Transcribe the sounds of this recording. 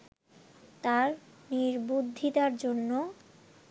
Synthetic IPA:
t̪aɾ | niɾbud̪ʱːit̪aɾd͡ʑonːo

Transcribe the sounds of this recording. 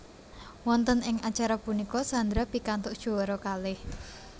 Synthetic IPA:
wɔnt̪ənɪŋat͡ʃaɾapunikɔsand̪ɾapikant̪ʊʔd̥ʒ̥o̤wɔɾɔkalɪh

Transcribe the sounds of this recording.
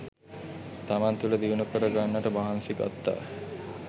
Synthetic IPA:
t̪amant̪uləd̪iunukəɾəɡanːəʈəbaɦansiɡa̰t̪ːa̰ː

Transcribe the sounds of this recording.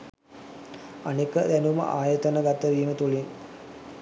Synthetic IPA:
anekːəd̪ænumə̰ʔaːjət̪ɐnəɡat̪ːəʋiːmət̪uɭin

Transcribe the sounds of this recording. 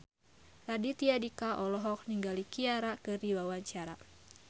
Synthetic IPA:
radit̪iadikaʔɔlɔɦɔk̚niŋɡalikiaɾakəriwawaɲt͡ʃaɾa

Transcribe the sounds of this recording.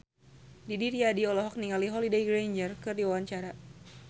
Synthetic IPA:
didiɾiadiɔlɔɦɔk̚niŋaliɦɔlidejɡɾejnd͡ʒərkɨrdiwawaɲt͡ʃaɾa

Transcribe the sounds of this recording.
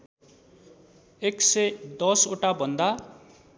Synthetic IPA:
eksʌjd̪ʌsoʈabʱʌnd̪a

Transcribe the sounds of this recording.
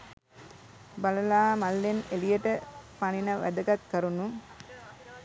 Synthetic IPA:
baləlaːmalːenelijəʈəpaninəʋʔæ̰d̪əɡat̪kəɾunu

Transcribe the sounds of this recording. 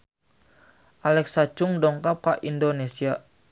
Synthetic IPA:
ʔalɛksat͡ʃuŋdɔŋkap̚kaʔindonesia

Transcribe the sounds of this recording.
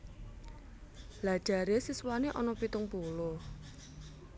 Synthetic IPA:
lad̥ʒ̥a̤ɾesiswaneʔɔnɔpit̪ʊŋpulʊh

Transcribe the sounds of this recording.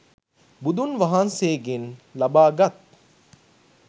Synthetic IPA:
bud̪unʋaɦanseːɡenlabaːɡat̪̚

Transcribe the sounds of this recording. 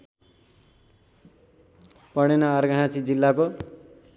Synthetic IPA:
pʌɽ̃enaːɾɡʱʌɽ̃at͡sʰid͡zilːako

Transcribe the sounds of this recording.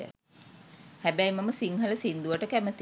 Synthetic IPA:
ə̰ | hæbæjməməsiŋɦələsind̪uʋəʈəkæmət̪i

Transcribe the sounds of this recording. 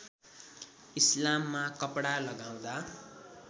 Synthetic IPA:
islamːakʌpɽalʌɡaw̃d̪a

